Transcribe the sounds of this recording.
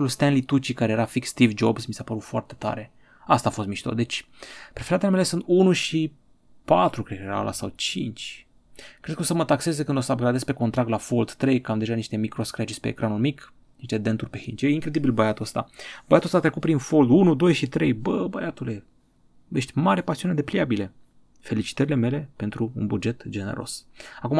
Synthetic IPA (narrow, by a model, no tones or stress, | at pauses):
ulst̪enlit̪ut͡ʃikaɾe̞jeɾafikst̪ivd͡ʒobsmisapəɾut̪foa̰rt̪e̞t̪a̰ɾe̞ | ast̪aːfo̞st̪miʃt̪o̰d̪e̞t͡ʃʲ | pɾefeɾat̪elemele̞sunt̪unuʃi | pat̪ɾukɾekəjeɾa̰wla̰sawt͡ʃḭnt͡ʃʲ | kɾed̪̚kəosəmət̪akse̞zekɨnd̪o̞səabɡɾad̪espe̞ko̞nt̪ɾakt̪lafo̞ld̪t̪ɾe̞jkamd̪e̞ʒaniʃt̪e̞mikɾo̞skɾat͡ʃisʲpe̞̰ːkɾanulmik | niʃt̪e̞d̪e̞nt̪urʲpe̞hint͡ʃejiŋkɾe̞d̪ibilbəjat̪uəst̪a̰bəjat̪uəst̪at̪ɾekut̪̚pɾinfo̞ld̪unud̪o̞jʃit̪ɾe̞jbəbəjat̪ule̞ | jeʃt̪ʲmaɾʲepasiune̞d̪e̞pliabile̞ | fe̞lit͡ʃi̥t̪əɾile̞me̞le̞pe̞nt̪ɾuunbud͡ʒe̞t̪d͡ʒenḛɾʔo̞̰sakuma